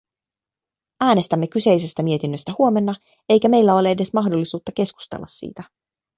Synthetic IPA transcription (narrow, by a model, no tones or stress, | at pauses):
æːne̞st̪æmːe̞kyse̞jse̞st̪æmie̞t̪inːø̞st̪æhuo̞me̞nːɑ | e̞jkæme̞jlːæo̞lee̞de̞smɑxdolːisuːt̪ːɑke̞sku̥st̪ḛlːɑsːḭːt̪æ